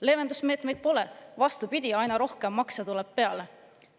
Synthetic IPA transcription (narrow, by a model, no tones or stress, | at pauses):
le̞ːvend̪usme̞ːt̪me̞jd̪̥̚po̞le̞vɑst̪upid̪̥ʲiɑjnɑɾo̞hke̞mːɑksɑt̪uleb̥̚pe̞ɑle̞